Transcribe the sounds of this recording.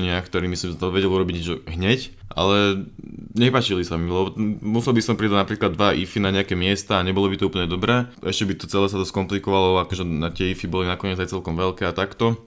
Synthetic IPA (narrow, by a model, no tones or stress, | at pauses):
ɲɪakt̪ɔɾiːmisimt̪ɔʋɛɟɛluɾɔbiɟɲɛt͡ʃɔɦɲɛcʔa̰lɛ | ɲɛpaːt͡ʃilisamilɛbɔmusɛlˠbisɔmpɾid̪aɟnapɾiːklad̪ːʋaʔifinaɲɛakɛmɪɛst̪aːɲɛbɔlɔbit̪ɔuːpl̩ɲɛd̪ɔbɾɛːɛʃcɛbit̪ɔ̥t͡sɛlɛːs̬at̪ɔskɔmplikɔʋalɔakɔʒɛnat̪ɪɛifibɔlinakɔɲɪɛd͡zajt͡sɛlkɔmʋɛlkɛːat̪akt̪ɔ